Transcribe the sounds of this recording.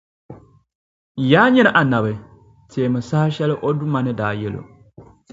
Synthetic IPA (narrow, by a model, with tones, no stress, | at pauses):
jaː˦ɲɛ˦nɨ˨ʔa˨na˨bɨ˨ | teː˨mɨ˨sa˦ʃɛ˦lɨ˦ʔo˦du˦ma˨nɨ˦daː˨jɛ˦lo̰˨